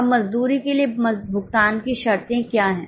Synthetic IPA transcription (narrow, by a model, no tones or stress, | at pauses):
bmɐzd̪uːɾikeliembʱʊɡt̪aːnkiʃɐɾt̪ẽkjaːɦɛ̃ː